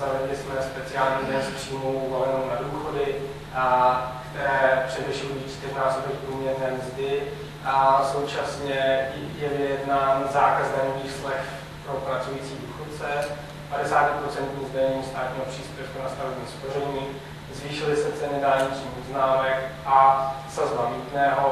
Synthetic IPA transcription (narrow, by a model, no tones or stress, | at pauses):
avɛdlɪsmɛspɛt͡sɪaːlɲidɛnspr̥iːmowvalɛnnownaduːxo̞dɪ | kt̪ɛɾɛːpr̝̥ɛvɪʃɛlojiːsk̪ɛɣnaːsobɛxpɾuːmɲɛɾnɛːmzdɪ | asowt͡ʃasɲɛjɛvɪjɛdnaːnzaːkaznɛːviːslɛx | pɾo̞pɾat͡sujiːt͡siːduːxot̪̚t͡sɛ | padɛsaːcɪpɾot͡sɛnt̪ɲiːzdaɲɲiːst̪aːt̪ɲiːɦopr̝̥iːspjɛfkunast̪avɛbɲiːsporɛɲiː | zviːʃɪlɪsɛt͡sɛnɪdaːlɲɪt͡ʃɲiːxoznaːmɛkʔasazbaviːt̪nɛːɦo